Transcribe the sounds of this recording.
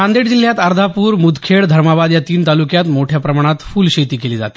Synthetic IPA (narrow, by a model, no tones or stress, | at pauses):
ãnd̪eɽd͡ʑil̤ːjat̪əɾd̪ʱapuːɾmud̪kʰeɽd̪ʱəɾmabad̪jat̪iːnt̪alukjat̪moʈʰjapɾəmaɽ̃at̪fuːlɕet̪iːkeliːd͡za̰t̪i̥